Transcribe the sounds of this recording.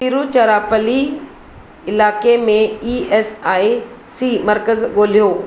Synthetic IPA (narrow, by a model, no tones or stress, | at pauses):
piːɾut͡ɕɐɾaːpəli | ɪlaːkemẽiːeːsaːi | siːmɐɾkəzɠoːl̤ijoː